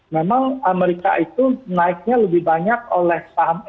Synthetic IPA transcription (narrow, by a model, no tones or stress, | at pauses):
memaŋameɾika̰it̪unaɪk̚ɲaləbɪhbaɲak̚olɛhsaɦm